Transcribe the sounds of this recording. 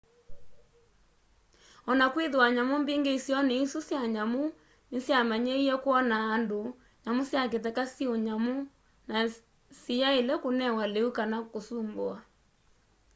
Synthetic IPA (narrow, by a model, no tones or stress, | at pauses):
ɔnakweðwaɲamombeŋɡeisjɔneisusjaɲamo | nesjamaɲeiɛkwɔnaːndo | ɲamosjak̬etɛkasioɲamo | na | sijaelɛkonɛwaleukanakosumboa